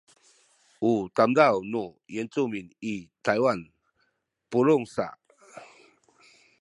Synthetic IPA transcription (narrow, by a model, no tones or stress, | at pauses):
ut̪amd̪awnɔjɛnt͡suminit̪ʰajwan | pulʊŋsa̰